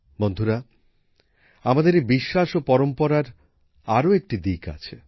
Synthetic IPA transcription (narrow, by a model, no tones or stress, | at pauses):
bond̪ʱuɾa | amad̪eɾebiʃːaʃopɔɾompɔɾaɾ | aɾoek̚ʈid̪ika̰t͡ɕʰe